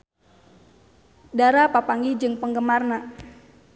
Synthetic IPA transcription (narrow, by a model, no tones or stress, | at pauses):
daɾapapaŋɡid͡ʒɨŋpəŋɡəmarna